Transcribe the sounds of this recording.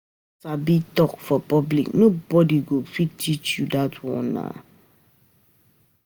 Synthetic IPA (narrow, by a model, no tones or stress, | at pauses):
sabitɔkfɔpɔblḭknobɔdiɡofitit͡ʃudatwɔ̰na̰